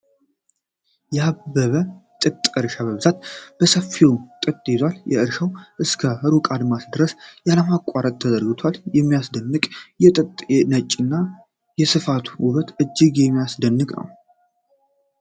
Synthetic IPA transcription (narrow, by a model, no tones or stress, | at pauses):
jɛabbːəβət̪ʼɨt̪ʼɨɾʃaβəβɨzat̪̚b̥əsəfit̪ʼɨt̪ʼːet̪waljɛ̰ʔɨɾʃəwʔɨskʰəhɨɾukʼad̪masd̪ɨɾəsjaləmakʷʼaɾət̪̚ʰːəzəɾɡɨt̪ʰwaljɛmːijasd̪ənːɨkʼjɛt̪ʼɨt̪ʼɛnət͡ʃʼːɨnːa | jɛsɨfat̪ʰuwʊβət̪ʔɨd͡ʒːɪɡjɛmːijasd̪ənːɨkʼnə̰w